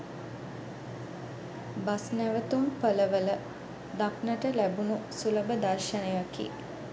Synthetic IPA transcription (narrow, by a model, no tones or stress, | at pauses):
basnæʋət̪umpələʋələ | d̪aknəʈəlæbunusuləbəd̪arʃənəjakḭ